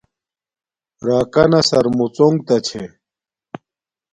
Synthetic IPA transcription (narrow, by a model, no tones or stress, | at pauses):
ɾaːkɐnɐsɐɾmut͡soŋɡ̚t̪ɐt͡ɕʰe